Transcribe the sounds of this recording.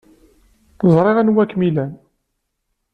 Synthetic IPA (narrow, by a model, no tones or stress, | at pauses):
zˤɾˤɪʁænwækːmilæn